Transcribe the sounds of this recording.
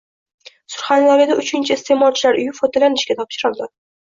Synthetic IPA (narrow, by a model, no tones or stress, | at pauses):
sʊɾχanlaɾɪd̪aʊt͡ʃʰɪnt͡ʃʰɪːst̪ʰe̞mɒlt͡ʃʰɪlaɾʊjɪfɒt̪ʰalanɪʃkʲat̪ʰɒpʃɪɾɪlˠd̪ɪ